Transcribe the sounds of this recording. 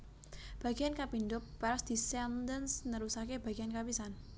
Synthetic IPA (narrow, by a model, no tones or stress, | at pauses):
b̥a̤ɡ̥iankapindʊk̚paɾasd̪̥isɛnd̪ənsnəɾusakeb̥aɡ̥iankabisan